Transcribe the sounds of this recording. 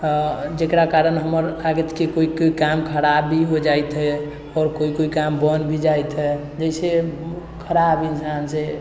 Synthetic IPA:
d͡ʒekɾakaɾənɦəməɾlaɡət̪kikoikoikamkʰəɾabʱːiɦod͡ʒajt̪ɦɛ | ɔːɾkoikoikambənbʱid͡ʒajt̪ɦɛ | d͡ʒəɪse | kʰəɾabinsanse

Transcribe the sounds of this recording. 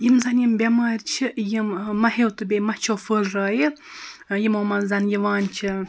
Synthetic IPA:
jimzɐnjimbʲɐmaːɾʲt͡ʃʰijɨmːɐɦewt̪ɨbʲemɐht͡ʃʰoːfəːlraːjɨ | jimomɐnzɐnjiʋaːnt͡ʃʰi

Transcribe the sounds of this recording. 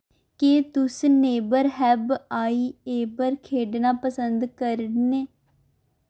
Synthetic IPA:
keːt̪ʊsneːbəɾɦɛːbaːiːeːbəɾkʰeːɖnaːpəsənd̪kəɾneː

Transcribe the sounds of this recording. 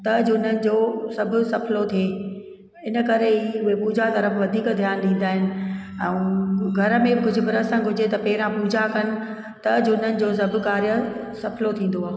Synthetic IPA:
t̪ɐd͡ʑʊʊn̤ənɪ̆d͡ʑoːsɐbʱʊ̆sɐpʰlot̪ʰie | ɪnəkɐɾeiʊɦepuːd͡ʑʱat̪ɐɾəfʋɐd̪ʱiːkd̪ʱjaːnɗĩːn̆d̪aːɦɪnɪ̆ɛ̃ːɡʱɐɾə̆mẽɡʊd͡ʑʱʊ̆bʱɪɾəsãɡʱʊd͡ʑet̪ɐpɐɦɪɾãpuːd͡ʑʱakɐnɪ̆ | t̪ɐd͡ʑʊʊn̤ənɪ̆d͡ʑoːs̬ɐbʱʊ̆kaːɾjə | sɐpʰlot̪ʰĩːn̆d̪oaː

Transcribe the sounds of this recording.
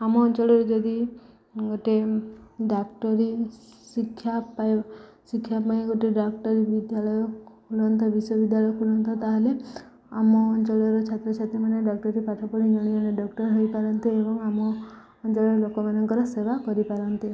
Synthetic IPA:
amɔːnt͡ʃɔɭɔɾed͡ʒɔd̪i | ɡoʈeɖakʈɔɾisikʰːjapajsikʰːjapaeɡoʈeɖakʈɔɾibid̪jalɔjɔ | ulɔnt̪ɔbisɔbid̪jalɔjɔkʰulɔnt̪ɔt̪aɦele | amɔːnt͡ʃɔɭɔɾɔt͡ʃʰat̪ɾɔt͡ʃʰat̪imaneɖɔk̚ʈɔɾipaʈʰɔpɔɽid͡ʒɔɽ̃ianeɖɔkʈɔɾɦojpaɾɔnt̪iebɔŋamɔː | nt͡ʃɔɭɔɾelokɔmanɔŋkɔɾɔsebakɔɾipaɾɔnt̪i

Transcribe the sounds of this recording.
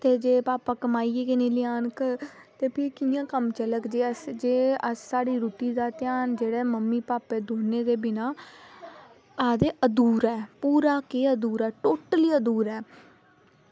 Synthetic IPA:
t̪eːd͡ʒeːpaːpaːkəmaːiːeːkɪneːlɪaːnk | t̪eːpʰɪɾkijãːkəmt͡ʃələkd͡ʒeːəsd͡ʒeːəsːaːɽiːɾuːʈiːd̪aːt̪ɪjaːnd͡ʒeːɽɛːməmːiːpaːpeːd̪oːnẽːd̪eːbɪnaː | aːd̪eːʔəd̪uːɾɛːpuːɾaːkeːəd̪uːɾɛːʈoːʈəliːəd̪uːɾɛː

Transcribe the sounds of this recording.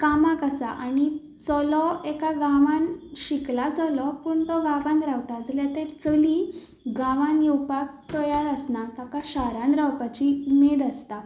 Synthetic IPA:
kamakasaʔani | t͡sɔlɔekaɡaʋãnɕiklat͡sɔlɔpuːɳt̪ɔɡãʋãnɾawt̪ad͡zljat̪ɛ̃t͡səli | ɡãʋãnjɛwpak̚t̪ɔjaɾəsnat̪akaɕaɾãnd̪ɾawpat͡ɕiumed̪ast̪a

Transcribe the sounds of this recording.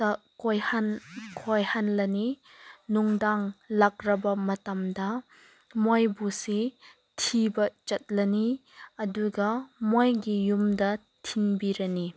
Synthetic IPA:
tɐ | kojhankʰojhanlɐni | nuŋdaŋlak̚ɾɐbɐmɐtɐmdɐ | mojbusi | tʰibɐt͡ʃɐt̚lɐniɐduɡɐmojɡijumdɐ | tʰinbiɾɐni

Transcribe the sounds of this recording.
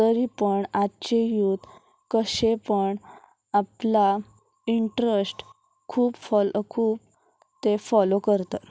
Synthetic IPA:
t̪əɾipəɳat͡ɕejuːt̪ | kəɕepəɳ | apla | iɳʈɾəsʈ | kʰuːbfɔlkʰuːb̚ | t̪efɔlokəɾt̪ə

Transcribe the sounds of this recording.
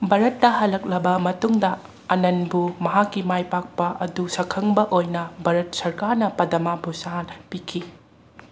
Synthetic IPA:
bʱaɾɐtːɐhɐlːɐk̚lɐbɐmɐtuŋdɐ | ɐnɐnbumɐɦakːimajpak̚pɐʔɐdusɐkʰɐŋbɐʔojnɐbʱɐɾɐt̚sɐɾkaɾnɐpɐdɐmabusaɦanpikʰi

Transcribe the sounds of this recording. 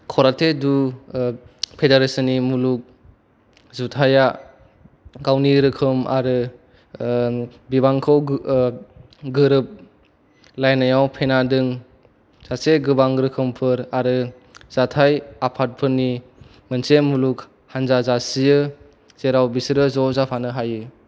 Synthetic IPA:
kʰɔɾatʰedu | pʰedaɾesɯnimuluk̚ | zutʰaja | ɡawniɾɯkʰɯma̰ɾɯ | bibaŋkʰaw | ɡɯɾɯp̚ | lajnajawpʰenadɯŋ | z̥aseɡɯbaŋɾɯkʰɯmpʰɯɾaɾɯ | z̥atʰajapʰat̚pʰɯɾni | mənsemuluk̚ | hanzazasijɯ | z̥eɾawbisɾɯzɔzapʰanɯɦajɯ

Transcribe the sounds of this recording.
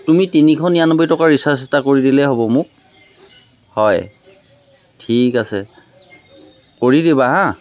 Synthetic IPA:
tumitinikʰɔnijanɔbɔjtɔkaɹisasistakoɹidilɛɦobɔmʊk̚ | hɔj | tʰikasɛ | koɹidibaɦã

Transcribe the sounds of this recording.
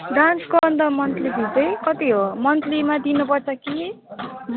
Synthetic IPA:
ɖranskoʌnd̪ʌmʌnt̪ʰlid̪id̪ʌjkʌt̪iɦomʌnt̪ʰlimad̪inupʌrt͡sʌki

